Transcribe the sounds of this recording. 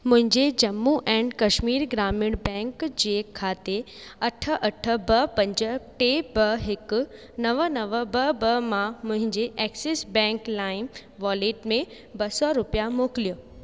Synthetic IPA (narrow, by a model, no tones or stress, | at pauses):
mʊ̃ɦɪ̃ɲd͡ʑed͡ʑɐmːuʔɛ̃ːɳɖkɐʃmiːɾɡɾaːmɪɽbɛ̃ːŋkd͡ʑeːkʰːaːt̪e | ɐʈʰə̆ʔɐʈʰə̆bɐpɐ̃ɲd͡ʑə̆ʈebɐɦɪkʊ̆ | nɐʋənɐʋəbɐbɐmãmʊ̃ɦɪ̃ɲd͡ʑeʔɛːkseːsbɛ̃ːŋklaːɪmʋɔːleːʈmẽ | bɐsɔɾʊpijamoːklijoː